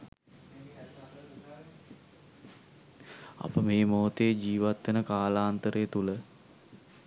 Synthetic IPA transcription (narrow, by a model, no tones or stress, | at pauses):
a̰pəmeːmoːt̪eːd͡ʒiːʋat̪ʋenəkaːlaːnt̪əɾəjət̪ulə